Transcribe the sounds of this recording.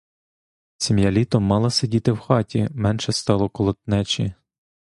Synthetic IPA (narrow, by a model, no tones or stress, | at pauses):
sʲimjɐlʲit̪ɔmːɑlˠɐsedʲit̪ɪwxɑtʲimɛnʃɛst̪ɑlˠɔkɔlˠɔt̪̚nɛt͡ʃʲi